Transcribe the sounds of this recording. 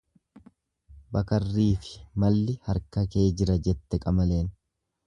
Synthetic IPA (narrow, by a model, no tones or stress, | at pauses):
bɐkɐrːiːfɪ̥mɐlːɪhɐɾkɐke̞ːd͡ʒɪɾɐd͡ʒɛt̪ːɛkʼɐmɐle̞ːn